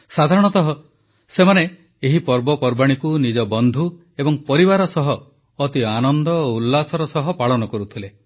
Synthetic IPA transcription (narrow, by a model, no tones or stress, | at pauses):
sad̪ʱaɾɔɽ̃ɔt̪ɔɦɔ | semane | eɦipɔɾbɔpɔɾbaɽ̃ikunid͡ʒɔbɔnd̪ʱu | ebɔŋpɔɾibaɾɔsɔɦɔː | t̪ianɔnd̪ɔoulːasɔɾɔsɔɦɔpaɭɔnɔkɔɾut̪ʰile